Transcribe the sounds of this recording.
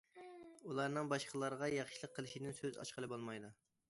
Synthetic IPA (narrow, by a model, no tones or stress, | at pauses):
ulˠɑɾnɨŋbɑʃqəlˠɑɾʁɑjɑχʃilˠəqʰːəlˠɪʃid̪ɪnsøzɑ̰ʃqəlˠɨbolˠmɑjd̪u